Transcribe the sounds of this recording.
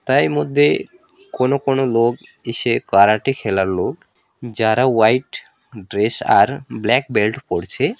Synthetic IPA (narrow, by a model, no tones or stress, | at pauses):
t̪ajmod̪ʱːe | konokonoloɡeʃekaɾaʈikʰelaɾloɡ | d͡ʑaɾawajʈ | ɖɾesa̰ɾblɛk̚belʈpoɽt͡ɕʰe